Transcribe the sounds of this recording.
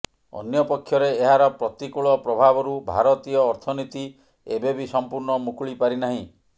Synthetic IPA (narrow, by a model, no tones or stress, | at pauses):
ɔ̰njɔpɔkʰːjɔɾeːɦaɾɔpɾɔt̪ikuɭɔpɾɔbʱabɔɾubʱa̰ɾɔt̪ijɔːɾt̪ʰɔnit̪i | ebebisɔmpuɾɳɔmukʰuɭipaɾinaɦĩ